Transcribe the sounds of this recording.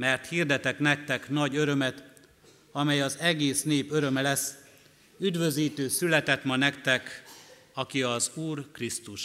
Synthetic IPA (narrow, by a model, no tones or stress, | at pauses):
mɛrt̪hiːrd̪ɛt̪ɛknɛk̚t̪ɛknɒɟø̞ɾø̞mɛt̪ | ɒmɛjɒzɛɡeːsneːpø̞ɾø̞mɛlɛsː | yd̪vø̞ziːt̪øːsylɛt̪ɛt̪mɒnɛkt̪ɛk | ɒkiɒzuːrkrist̪uʃ